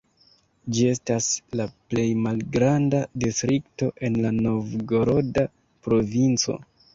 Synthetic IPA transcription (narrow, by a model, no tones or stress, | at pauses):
d͡ʒie̞staslaple̞jmalɡɾandadistɾikto̞ʔe̞nlano̞vɡo̞ɾo̞da | pɾo̞vint͡so̞̰